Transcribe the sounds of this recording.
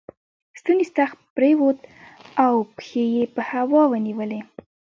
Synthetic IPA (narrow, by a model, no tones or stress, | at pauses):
st̪unist̪axpɾewod̪awpə̥xejepəhawɑwəniwəle